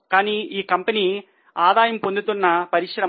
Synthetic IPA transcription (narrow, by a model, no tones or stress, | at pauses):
kaːniːiːkɐmpɐni | aːd̪aːjɐmpond̪ut̪unːɐpɐɾikʂɐɾɐ